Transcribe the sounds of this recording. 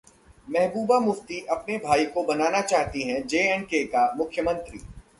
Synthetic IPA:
mɛɦbuːbamʊft̪iʔɐpnebʱaːikobɐnaːnat͡ʃaːɦt̪iɦɛ̃d͡ʒeːɛɳɖ̚kekamʊkʰjəmə̃nt̪ɾḭː

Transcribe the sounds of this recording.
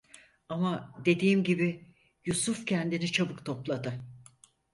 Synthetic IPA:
amad̪e̞d̪iːmɟibi | jusufcʰɛnd̪init͡ʃʰabɯkt̪ʰo̞plˠad̪ɯ

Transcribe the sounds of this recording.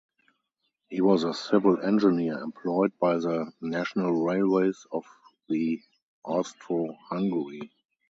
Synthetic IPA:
hiːwɔzəsɪvəl̩ɛ̃nd͡ʒəniəɛ̰̃mpʰlɔɪd̚baɪðənæʃɔnəlɹeɪlweɪsɔfði | ʔɔstɹohãŋɡəɹi

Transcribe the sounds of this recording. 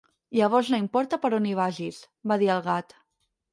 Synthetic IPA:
ʎəβ̞ɔɾznaimpɔɾt̪əpəɾoniβ̞aʒis | baðiəlˠɣat̪

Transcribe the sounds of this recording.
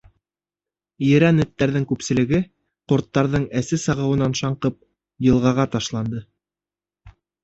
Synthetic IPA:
jɘ̆ɾænɵ̆t̪ːæɾðɘŋkʉpsɘ̆lɘ̆ɡɘ | qŏɾt̪ːɑɾðɤɴæsɘsɑʁɤ̆wɤ̆nɑnʃɑɴqɤp̚ | jɤ̆lˠʁɑʁɑt̪ɑʃlˠɑnd̪ɤ

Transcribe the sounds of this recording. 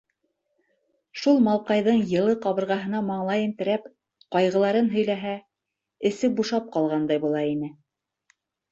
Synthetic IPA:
ʃulˠmɑlˠqɑjðɤɴjɤ̆lˠɤqɑβɤ̆ɾʁɑɦɤ̆nɑmɑɴlˠɑjɘ̆nt̪ɘ̆ɾæp | qɑjʁɤ̆lˠɑɾɤnɦɵ̆jlæɦæ | ɘ̆sɘbuʃɑp̚qɑlˠʁɑnd̪ɑjbulˠɑinɘ

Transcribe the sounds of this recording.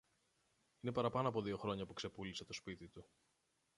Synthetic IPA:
ine̞pɐɾɐpɐno̞ɐpo̞ðio̞xɾo̞ɲɐpukse̞puliset̪o̞spit̪it̪u

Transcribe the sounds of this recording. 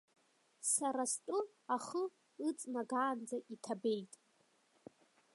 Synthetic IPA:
saɾastʼʊ | aχə | ɨt͡sʼnaɡaːnd͡zaʔitʰabe̞jtʼ

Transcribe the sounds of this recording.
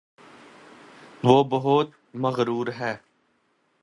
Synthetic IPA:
ʋoːbəɦʊt̪ | məɣɾuːɾɦɛː

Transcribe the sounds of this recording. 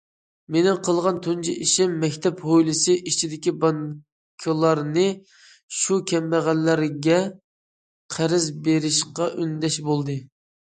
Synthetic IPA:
menɪŋqʰəlˠʁɑnt̪ʰund͡ʒʰiʔiʃɪmːɛkʲt̪ʰɛphojlˠɨsɨʔit͡ʃʰid̪ɪkʲibɑn | kʲʰɪlˠɑɾnɨ | ʃukʲʰɛmbæʁænlːæɾɡʲɛ | qʰæɾɪzbeɾɪʃqɑʔynd̪ɛʃbolˠd̪ɨ

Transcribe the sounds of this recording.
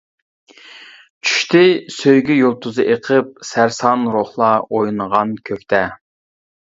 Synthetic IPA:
t͡ʃʰy̥ʃt̪ɪsøjɡʲyjolˠt̪ʰuzɨʔeqʰəp̚sæɾsɑnɾoχlˠɑojnəʁɑnkʲʰøkʲt̪ʰɛ

